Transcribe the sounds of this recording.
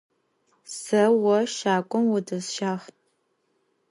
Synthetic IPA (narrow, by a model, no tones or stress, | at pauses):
sɐwɔʃaːkʷʼɔmwʊdɐzʃaːχ